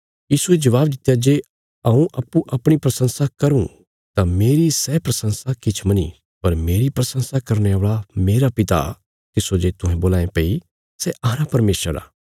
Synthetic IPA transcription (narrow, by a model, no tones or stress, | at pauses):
jiːsued͡ʒɐʋaːbd̪ɪt̪ːjad͡ʒeː | ɐũʔɐpːũʔɐpɽ̃ipɾɐsə̃nsakɐɾṵ̃ | t̪ameːɾisɛːpɾɐsə̃nsakɪt͡ʃʰmɐnḭ | pɐɾmeːɾipɾɐsə̃nsakɐɾñeoːɭameːɾapɪt̪a̰ | t̪ɪsod͡ʒeːt̪ʊɦɛ̃boːlãːẽpɐi | sɛʔaːɾapɐɾmeːʃəɾa̰ː